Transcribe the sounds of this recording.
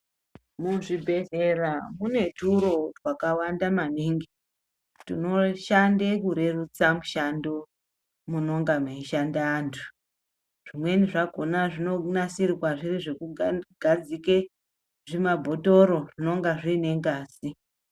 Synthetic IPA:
muʐibʱe̞ɦeramune̞tʰuɾo̞rwakawandamaniːŋɡi | tino̞ʃandekuɾe̞rut͡samuʃando | muno̞ŋɡameiʃandaːntʰu̥ | ʐ̥imwe̞niʐaɡʱo̞naʐino̞nasiriwaʐiriʐekuɡʱad͡zike | ʐimabʱo̞toɾo̞ʐino̞ŋɡaʐiːne̞ŋɡaːsi

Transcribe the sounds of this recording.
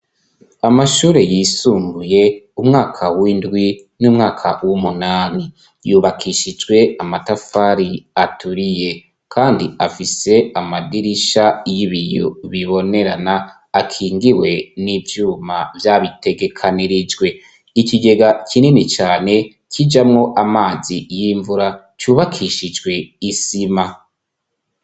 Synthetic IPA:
amaʃuːɾe̞jisuːŋɡuje̞ | umŋaːkʰawindɡwi | nuːmŋaːkʰa̰wumunaːni | juːβakʰiʃid͡ʒɡwe̞amatafaɾiatuɾije̞ | kʰaːndiafise̞amadiɾiʃajiβijo̰βiβo̞ne̞ɾanaː | kʰiːŋɡiwe̞nivjuːmavjaːβite̞ɡe̞kʰaniɾid͡ʒɡwe̞ | ikiɡe̞ɡakʰininit͡ʃaːne̞ | kʰid͡ʒamŋo̞ʔamaːzijiɱvuɾa | t͡ʃuːβakʰiʃid͡ʒɡwe̞isima

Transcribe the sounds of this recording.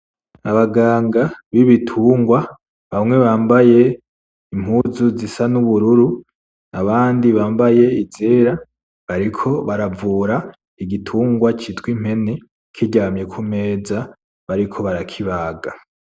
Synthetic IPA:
aβaɡaːŋɡaβiβitʰuːŋɡwa | βamŋe̞βaːmbaje̞ | im̥huzuzisanuβuɾuɾu | naβaːndiβaːmbaje̞izeːɾa | βaɾikʰo̞βaɾavuːɾa | iɡitʰuːŋɡwat͡ʃitwim̥he̞ne | kʰiɟamje̞kʰume̞ːza | βaɾikʰo̞βaɾakʰiβaːɡa

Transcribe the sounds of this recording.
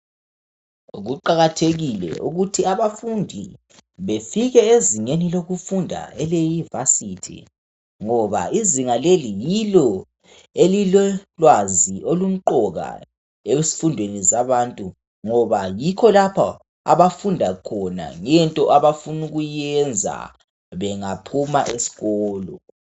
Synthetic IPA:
ɣuǃaɣatʰeɣilɛ̰uɣutʰiaβafundʱi | βefiɣɛeziŋeniloɣufundʱa̰ɛlejuvasitʰḭ | ŋɔβa̰iziŋalelijilɔ | elilɔlwaziolum̩ǃɔɣa̰ | esi̥fundʱwenizaβaːntʼu | ŋɔβajikʰɔlapʰa | a̰βafundʱakʰɔna̰ŋɛntʼɔʔaβafunuɣujɛnd͡zʱa̰ | βɛŋapʰumaʔesi̥ɣɔːlɔ

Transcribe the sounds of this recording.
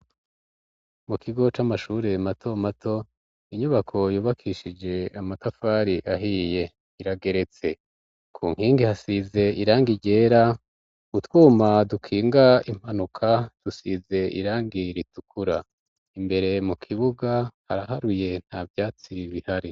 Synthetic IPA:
mukʰiɡo̞t͡ʃamaʃuɾe̞matʰo̞matʰo̞ | iɲuβakʰo̞juːβakʰiʃid͡ʒe̞amatafaːɾiʔaɦije̞ | iɾaɡe̞ɾe̞t͡se̞ | kʰṵːŋ̥hiːŋɡihasize̞ʔiɾaːŋɡiɟe̞ːɾa | utwuːmadukʰiːŋɡaim̥hanukʰad̥usize̞ḭɾaːŋɡiɾitukʰuɾa | imbe̞ɾe̞mukʰiβuɡahaɾaɦaɾuje̞n̥haːvjaːt͡siβihaɾi

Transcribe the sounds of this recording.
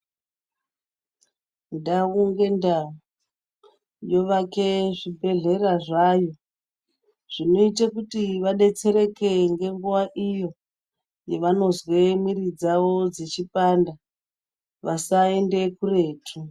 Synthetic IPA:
ndawuŋɡe̞ndao | jo̞ʋakeʐibʱe̞ɮe̞raʐajo̞ | ʐ̥ino̞itakutiʋaɗe̞t͡se̞ɾe̞ke̞ŋɡe̞ŋɡuʋaʔijo̞ | jeʋano̞zwemirid͡zawo̞d͡zet͡ʃipanda | ʋasae̞nde̞kure̞ːtʰu

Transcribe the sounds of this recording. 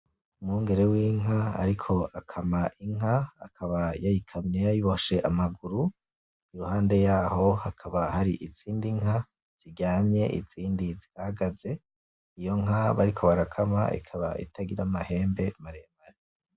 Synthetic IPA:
umuːŋɡe̞ɾe̞wiːŋaa̰ɾikʰo̞akʰamaʔiŋ̥ɦaːkʰaβajajikʰamɲejajiβoʃeʔamaɡuɾu | iɾuhaːnde̞jaːho̞hakʰaβahaɾiʔit͡siːndiŋɦha | z̥iɟaːmɲe̞ʔḭt͡siːndizihaɡaze̞ | ijo̞ŋaβaɾikʰo̞βaɾakʰama̰ḭkʰaβaḭtʰaɡiɾamahe̞ːmbe̞maɾemaɾe

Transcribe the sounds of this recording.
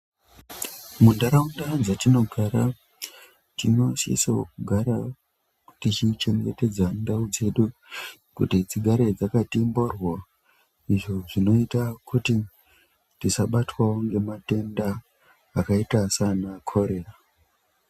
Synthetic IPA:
mundaɾaundad͡zatino̞ɡʱaɾa | t͡ʃino̞sḭsokuɡʱaɾa | tit͡ʃit͡ʃe̞ŋɡe̞te̞d͡zandaud͡ze̞ɗu | kṵtid͡ziɡʱaɾed͡zakatimborwa | iʐo̞ʐino̞itakuti | disaɓatwaoŋɡe̞mate̞ndaː | kaitasanakʰo̞ɾe̞ra

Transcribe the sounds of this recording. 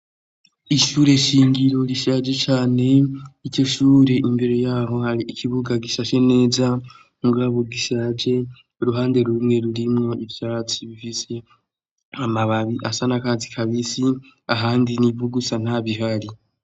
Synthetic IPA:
iʃuːɾe̞ʃiːŋɡiɾo̞ɾiʃad͡ʒe̞t͡ʃaːne̞ico̞ʃuːɾe̞ʔimbeɾejaːɦo̞haɾiːkʰiβuɡaɡiʃaʃe̞ne̞ːza | ŋɡuaβoɡiʃad͡ʒe̞ | ɾuɦaːnde̞ɾumŋe̞ɾuɾimŋo̞ivjaːt͡siβifise̞ | amaβaβiʔasanakazikʰaβisiaɦaːndinivuɡusan̥aβiɦaɾi

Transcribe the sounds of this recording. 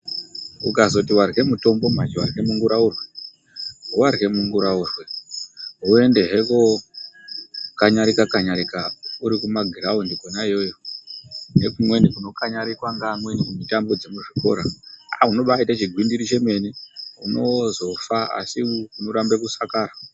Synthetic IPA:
ṵkazo̞tiwarɣe̞muto̞mbo̞mat͡ʃowarɣe̞muŋɡuɾaurwe̞ | warɣe̞muŋɡuɾaurwe̞ | ɦue̞nde̞ɦe̞ko | kaɲaɾikakaɲaɾikauɾikumaɡʱiɾaundiɡʱonaijo̞jo | nekumwe̞nikuno̞kaɲaɾikwaŋɡamwenimitambod͡zemuʐiko̞̰ɾaauno̞ɓaitat͡ʃiɡʱwindiɾit͡ʃe̞me̞niuno̞zo̞faa̰sikuno̞ɾambekusakaːɾa

